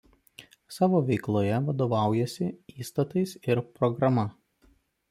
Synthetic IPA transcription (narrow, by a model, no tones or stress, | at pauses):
sɑːʋoːʋʲɛɪklˠoːjɛʋɐd̪oːʋɑˑʊjɛsʲɪiːst̪ɐt̪ɐɪsɪɾpɾɔɡɾɐmɐ